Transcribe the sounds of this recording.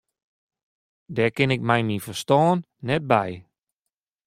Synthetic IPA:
dɛkɪnɪk̚mɛjmifərstɔːnːɛt̚bɛj

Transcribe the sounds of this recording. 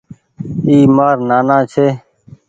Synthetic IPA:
iːmaːɾnaːnãːt͡ʃʰeː

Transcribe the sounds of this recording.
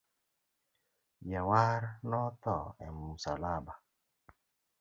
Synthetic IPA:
jawaɾnɔt̪ɔɛmusalaba

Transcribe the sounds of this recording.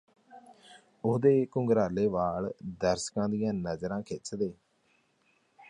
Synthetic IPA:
ʊɦd̪eːkʊ̃ŋɡɾaːleːʋaːld̪əɾskãːd̪ijãːnəzɾãːkʰɪt͡ʃd̪eː

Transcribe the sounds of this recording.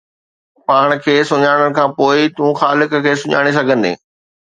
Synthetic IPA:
paːɽ̃kʰeːsʊɲaːɽ̃əɽ̃̆kʰãːpoːɪt̪ũːxaːlɪkkʰeːsʊɲa̰ːɽ̃es̬ɐɡʱə̃nd̪ḛː

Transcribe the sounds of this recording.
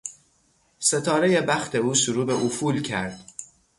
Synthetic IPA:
se̞t̪ʰɒːɾeje̞bæxt̪ʰe̞uːsuɾuːbeʔufuːlcʰæɾd̪̥

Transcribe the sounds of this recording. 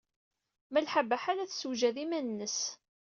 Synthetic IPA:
məlħabæħaɾæθsuʒæðimænnːəs

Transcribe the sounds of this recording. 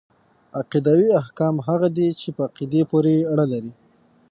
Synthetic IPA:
aqid̪awiahkɑmɦaɣad̪et͡ʃepəaqid̪epoɾeɽəlaɾi

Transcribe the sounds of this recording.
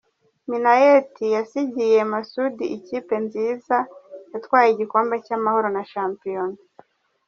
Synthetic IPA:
minajetʰijasiɟije̞masudiʔiciːpe̞nziːzajatwaːjiɟiko̞ːmbe̞camaho̞ɾo̞naʃaːmpijon

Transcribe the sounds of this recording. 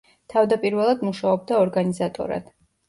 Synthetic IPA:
t̪ʰavd̪apʼiɾvɛlˠad̪muʃaɔb̚d̪aɔɾɡanizat̪ʼɔ̰ɾa̰d̪̥

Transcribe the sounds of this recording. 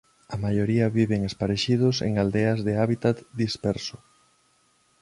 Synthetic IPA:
ɐmajoɾiɐβiβeŋespaɾeʃið̞ʊsḛŋald̪eɐzðeaβit̪at̪d̪ispɛɾso̥

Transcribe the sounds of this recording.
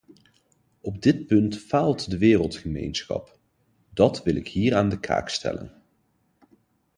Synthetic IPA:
ɔb̚dɪt̚pɵntfaːlˠtdəʋɪːrəlˠtχəmejnsχɑ̰p | dɑtʋɪlɪkɦiːraːndəkʰa̰ːkstʰɛ̰lə̰n

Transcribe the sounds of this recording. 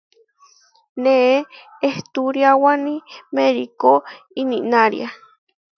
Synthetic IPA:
nee | eht̪uɾjawanĩmeɾiko | iniʔnaɾḭa

